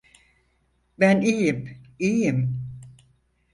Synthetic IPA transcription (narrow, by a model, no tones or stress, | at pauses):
bænijimijim